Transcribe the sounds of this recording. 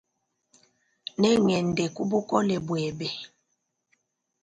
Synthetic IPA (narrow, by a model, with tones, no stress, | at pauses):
nɛ˦ŋɛ˨ndɛ˨ku˦bu˦kɔ˦lɛ˨bwɛ˨bɛ˨